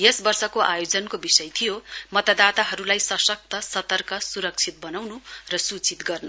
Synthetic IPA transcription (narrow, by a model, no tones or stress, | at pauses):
jesbʌrsʌkoʔajod͡zʌnkobisʌjt̪ʰijomʌt̪ad̪at̪aɦʌɾulajsʌsʌk̚t̪ʰʌsʌt̪ʌrkʌsuɾʌk̚t͡sʰit̪̚bʌnawnurʌsut͡sit̪ɡʌrnu